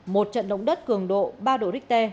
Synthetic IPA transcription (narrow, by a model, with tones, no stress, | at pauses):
mo˨˩t̚t͡ɕə̰˧˨nɗə̰˧˨wŋ͡mɗə˦˥t̚kɨ˨˩əŋɗo̰˧˨ɓaː˧ɗo̰˧˨ɾi˦˥k̚t̪e˧